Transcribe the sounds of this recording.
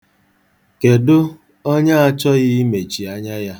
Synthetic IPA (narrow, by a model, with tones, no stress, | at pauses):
ke˨dʊ˦ | ɔ˦ɲa˦a˦t͡ʃɔ˦ɣɪ˦me˨t͡ʃi˨a˦ɲa˦ja˦